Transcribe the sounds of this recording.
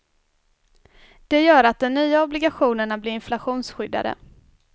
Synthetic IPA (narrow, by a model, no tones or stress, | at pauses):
d̪̥ɛjœːɾat̪̚d̪ɔnnyːaɔblɪɡaɧuːnəɳablɪɾɪnflaɧuːnsɧʏd̪ːa̰d̪ə̰